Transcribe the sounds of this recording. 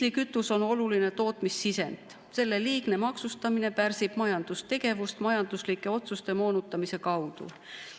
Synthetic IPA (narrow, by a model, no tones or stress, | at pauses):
likyt̪ːˑuso̞no̞luline̞t̪o̞ːt̪misːise̞nt̪ | se̞lːe̞liːɡne̞mɑksust̪ɑmine̞pærsib̥mɑjɑnd̪̥ust̪e̞ɡ̥e̞vust̪mɑjɑnd̪̥uslikːˑe̞o̞t̪sust̪e̞mo̞ːnut̪ːˑɑmise̞kɑwd̪̥ṵ